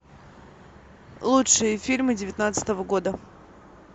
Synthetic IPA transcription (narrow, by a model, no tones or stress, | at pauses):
lˠutʂɨjəfʲilʲmɨdʲɪvʲɪt̪nat̪sə̥t̪əvəɡo̞d̪ə